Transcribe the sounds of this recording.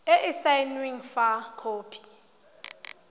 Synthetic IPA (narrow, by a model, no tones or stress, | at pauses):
ɛʔɪsajnwiŋfakʰoːpʰi̥